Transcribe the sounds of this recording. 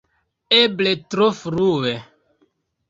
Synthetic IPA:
ebletɾofɾuwe

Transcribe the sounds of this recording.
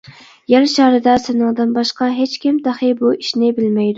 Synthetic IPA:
jæɾʃɑɾɨd̪ɑsɪnɨŋd̪ɨnbɑʃqɑɦet͡ʃkʲɪmt̪ʰɑχɨbuiʃnɪbɪlmɛjd̪ʊ

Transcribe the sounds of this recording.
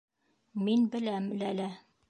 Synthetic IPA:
minbɘ̆læmlælæ

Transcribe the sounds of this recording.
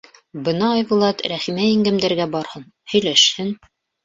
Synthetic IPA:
bɤnɑːjbulˠɑt̪ɾæχimæiŋɡæmd̪æɾɡæbɑɾhɤn | hɵ̆jlæʃhɘn

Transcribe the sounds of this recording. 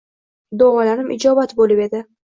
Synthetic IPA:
d̪oʁɑlaɾɪmʔɪd͡ʒɒbat̪bolɪpe̞d̪ɪ

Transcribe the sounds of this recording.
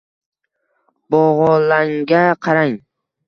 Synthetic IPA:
bɒʁɒlaŋɡʲaqʰɑɾaŋ

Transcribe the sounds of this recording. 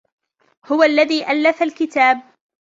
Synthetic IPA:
hʊwalːaðiːʔalːaθalkɪt̪aːb̚

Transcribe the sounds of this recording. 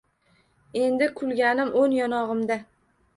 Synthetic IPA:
e̞nd̪ɪkʰʊlɡʲanɪmʔonjɒnɒʁɨmd̪a

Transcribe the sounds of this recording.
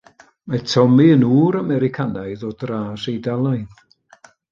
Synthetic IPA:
matʰɔmiənuːɾamɛɾɪkʰanaɨðɔdraːsejdalˠajn

